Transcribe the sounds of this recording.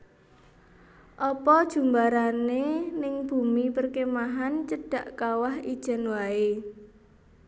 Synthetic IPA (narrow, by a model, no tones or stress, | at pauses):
ʔɔpɔd̥ʒ̥ṳmbaɾanenɪŋb̥ṳmipərkemaɦant͡ʃəɖ̥ä̤ʔkawahid̥ʒ̥ə̤nwae